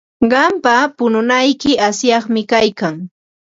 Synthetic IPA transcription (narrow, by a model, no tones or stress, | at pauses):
ɢɑmpapʊnʊnajkɪasjɑχmɪkajkaŋ